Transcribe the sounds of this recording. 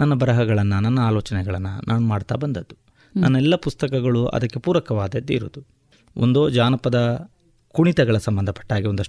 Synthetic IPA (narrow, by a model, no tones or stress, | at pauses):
nɐnːɐbɐɾɐɦɐɡɐɭɐnːɐnɐnːɐaːloːt͡ʃɐnɛɡɐɭɐnːṵnʔaːnumaːɽt̪a̰ːbɐnd̪ɐd̪ːu | nɐnːɛlːɐpust̪ɐkɐɡɐɭuɐ̰d̪ɐkːe̞puːɾɐkɐʋaːd̪ɐd̪iɾṵːd̪u | ond̪oːd͡ʒaːnɐpɐd̪ɐ | kuɳit̪ɐɡɐɭɐsɐmbɐnd̪ɐpɐ̥ʈːaːɡio̞nd̪ɐʂ